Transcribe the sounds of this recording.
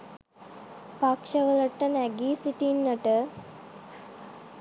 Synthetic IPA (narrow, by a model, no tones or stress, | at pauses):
pakʂɐʋələʈːənæɡiːsiʈinːəʈə